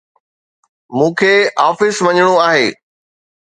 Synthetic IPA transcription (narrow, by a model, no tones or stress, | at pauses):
mũːkʰeːaːfɪsʋɐɲɽ̃oaːɦeː